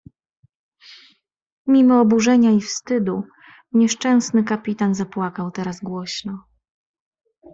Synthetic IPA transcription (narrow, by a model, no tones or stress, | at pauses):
mʲimɔːbuʐɛɲaifst̪ɘd̪u | ɲɛʂt͡ʂɛ̃w̃snɘkapʲit̪anzapwakawt̪ɛɾazɡwɔɕnɔ